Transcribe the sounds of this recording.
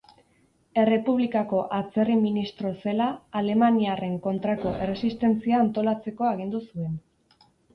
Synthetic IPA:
e̞re̞puβ̞likako̞ʔat͡se̞riminist̪ɾo̞se̞laːle̞maniare̞ŋko̞nt̪ɾako̞ʔe̞re̞sist̪e̞nt͡siaːnt̪o̞lat͡se̞ko̞aɣ̞ind̪usue̞n

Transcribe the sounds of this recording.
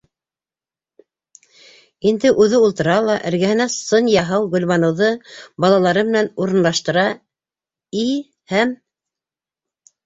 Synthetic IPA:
ind̪ɘʔʉðɘulˠt̪ɤ̆ɾɑlˠɑʔɘ̆ɾɡæhɘ̆næsɤnjɑɦɤwɡɵ̆lβɑnɤ̆wðɤbɑlˠɑlˠɑɾɤmɘ̆nænuɾɤ̆nlˠɑʃt̪ɤ̆ɾɑ | i | hæm

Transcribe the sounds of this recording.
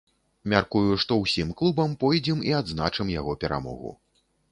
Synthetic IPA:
mʲarkujuʂt̪ɔwsʲimklˠubɐmpɔjd͡zʲɛmiad̪znat͡ʂɨmjaɣɔpʲɛɾa̰mɔ̰ɣṵ

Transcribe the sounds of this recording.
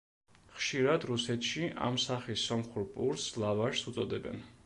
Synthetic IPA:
χʃiɾad̪ɾusɛt̪ʰʃiʔa̰msaχisːɔmχuɾpʼuɾslˠavaɾsut̪sʼɔd̪ɛbɛ̰n

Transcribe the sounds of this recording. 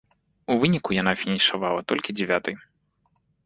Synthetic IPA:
uvɨnʲikujanafʲinʲiʂavalˠɐt̪ɔlʲkʲid͡zʲɛvʲat̪ɨj

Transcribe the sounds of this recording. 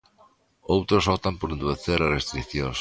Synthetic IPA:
owt̪ɾosɔpt̪ampoɾend̪ueθeɾarest̪ɾiθjõŋs

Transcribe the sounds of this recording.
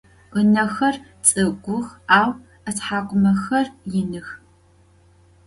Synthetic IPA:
ənɐxɐrt͡sʼɨɡʷʊxaːw | ɐtħaːkʷʼʊmɐxɐrjɪnɨx

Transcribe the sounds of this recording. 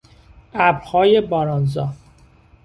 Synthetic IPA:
ʔæbɾhɒːje̞bɒːɾɒːnzɒː

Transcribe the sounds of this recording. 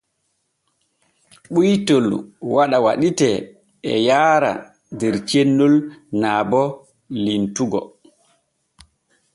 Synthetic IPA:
ɓujtɔlwaɗawaɗitɛ | ɛ̰jaːɾa̰ | dɛɾt͡ʃenːulnaːbɔ | lintuɡɔ̰

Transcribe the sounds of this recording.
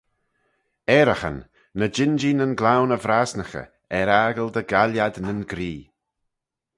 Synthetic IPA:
ɛɾəxə̰nː | əd͡ʒɪnd͡ʒinənɡlawnəvɾaːsnəxə̰ | ɛɾaːɡəld̪əɡaljadnənɡɾiː

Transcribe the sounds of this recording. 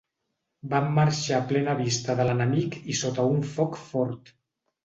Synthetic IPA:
bamːaɾʃaplɛnəβ̞ist̪əðələnəmikisot̪əuɱfɔkfɔɾt̪

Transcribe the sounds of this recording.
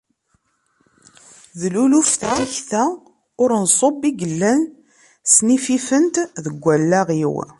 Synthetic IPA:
ðlulufθæçθæ | ʊɾnsˤobiɡəlːæn | snififənt̪ðəɡʷːælːæʁiw

